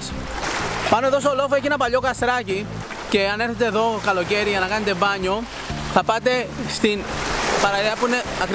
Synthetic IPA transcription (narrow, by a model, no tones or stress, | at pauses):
s | pɐnoe̞ðo̞st̪olo̞foeçienɐpɐʎo̞kɐst̪ɾɐci | ce̞ɐne̞ɾθe̞t̪e̞ːðo̞kɐlo̞ce̞ɾiʝɐnɐkɐne̞t̪e̞bɐɲo̞ | θɐpɐt̪e̞st̪inpɐɾɐðeɐpuine̞ɐkɾ